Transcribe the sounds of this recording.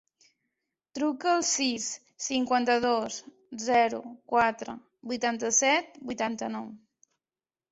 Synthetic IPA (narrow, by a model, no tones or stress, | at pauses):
t̪ɾukəːlˠsisː | iŋkwant̪əðos | zɛɾṵkwat̪ɾə̰ | bujt̪ant̪əsɛt̪̚bujt̪ant̪ənɔw